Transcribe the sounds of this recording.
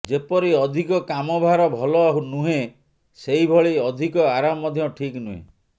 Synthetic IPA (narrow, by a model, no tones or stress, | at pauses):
d͡ʒepɔɾiɔd̪ʱikɔkamɔbʱaɾɔbʱɔlɔaɦunuɦe | seɦibʱɔɭiɔd̪ʱikɔaɾamɔːɔd̪ʱjɔʈʰiknuɦḛ